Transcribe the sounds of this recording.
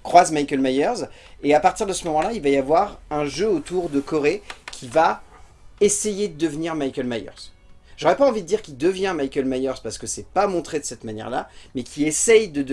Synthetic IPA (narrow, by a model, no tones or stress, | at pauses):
kχwazmajkʲɛlmajœʁz | eapaʁt̪iʁd̪əsəmɔmɑ̃lailvajavwaʁɛ̃ʒøot̪uʁd̪əkɔʁekʲʰiva | esejed̪əd̪əvniʁmajkʲɛlmajœ̰ʁz̥ | ʒ̥ɔʁɛpaɑ̃vid̪əd̪iʁkʲild̪əvjɛ̃majkʲɛlmajœʁz̥paʁsə̥kəsɛpamɔ̃t̪χed̪əsɛt̪manjɛ̰ʁla̰mɛkʲʰiesɛjd̪əd̪